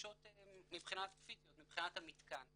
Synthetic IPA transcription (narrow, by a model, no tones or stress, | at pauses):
ʃot̪emibχinat̪fizijotmibχinat̪hamit̪kan